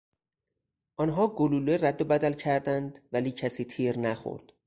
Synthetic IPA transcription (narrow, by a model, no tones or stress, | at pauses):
ʔɒnɦɒːɡoluːleræd̪ːobæd̪ælcʰæɾd̪ænd̪væliːcʰæsiːt̪ʰiːɾnæxo̰ɾd̪̥